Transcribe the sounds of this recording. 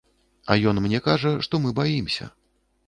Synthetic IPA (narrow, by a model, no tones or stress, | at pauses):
ɐ̰jɔnmnʲɛkaʐɐʂt̪ɔmɨbajimsʲɐ̰